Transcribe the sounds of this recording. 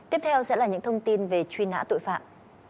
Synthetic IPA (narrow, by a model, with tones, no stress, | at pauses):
t̪i˦˥əp̚t̪ʰɛ˧wsɛ̰˧˥laː˨˩ɲɨ̰˧˥ŋt̪ʰə˧wŋ͡mt̪i˧nve˨˩t͡ɕwi˧na̰ː˧˥t̪o̰˧˨jfa̰ː˧˨m